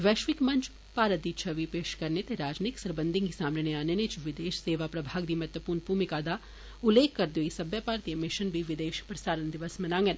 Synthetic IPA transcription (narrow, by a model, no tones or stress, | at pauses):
ʋɛːʃʋɪkmɐnt͡ʃʰ | paːɾət̪̚d̪iːt͡ʃʰɐʋipeːʃkɐɾnet̪eɾaːd͡ʒniksɐɾbə̃nd̪ʱiŋɡisaːmneneaːnenet͡ʃʰʋɪd̪eːʃseːʋapɾɐbʱaːɡd̪imɐt̪ʋəpuːɾnbʱuːmikaːd̪a | ʊlːeːkːɐɾd̪oisɐbjəpaːɾt̪ijəmɪʃənbʱiʋɪd̪eːʃpɾɐsaːɾənd̪ɪʋəsmenãːŋɡən